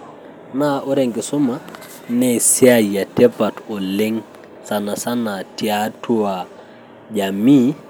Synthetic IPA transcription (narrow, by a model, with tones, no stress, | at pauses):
na˦ʔo˦ɾe˨ŋɡi˨so˦ma˦ | nɛ˦˨si˦a˦˨ja˨tɛ˦pa˨tɔ˨le˦ŋ | sa˨na˨sa˦na˨ti˨a˦tu˦wa˨ | ɟa˨mi˦